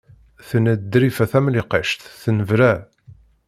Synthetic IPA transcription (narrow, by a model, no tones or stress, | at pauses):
θənəd̪ːɾifæθæmliqəʃt̪θənəvɾæ